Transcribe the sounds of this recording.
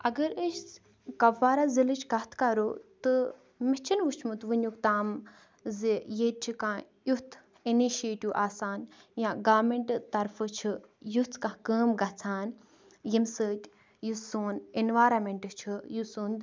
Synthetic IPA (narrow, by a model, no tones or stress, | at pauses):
ɐɡəɾəʃ | kɐʋːaːɾazilɨt͡ʃʰɡɐt̪ʰkaɾoːt̪ɨ | mit͡ʃʰinʋut͡ʃʰmut̪ʋɨnʲukt̪aːm | zijeːt̪̚t͡ʃʰikãː | jut̪ʰ | iniʃeːʈiʋʔaːsaːnjãːɡaːmeɳʈt̪ɐɾfɨt͡ʃʰɨ | jut̪ʰkãːkəːmɡɐt͡sʰaːn | jimsəːtʲ | jusuːninʋaːɾɐmeɳʈɨt͡ʃʰɨjusuːnd̪